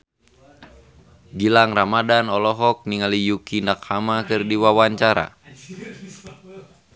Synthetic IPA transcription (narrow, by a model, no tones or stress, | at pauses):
ɡilaŋramadanɔlɔɦɔk̚niŋalijukinakʰamakɨrdiwawaɲt͡ʃaɾa̰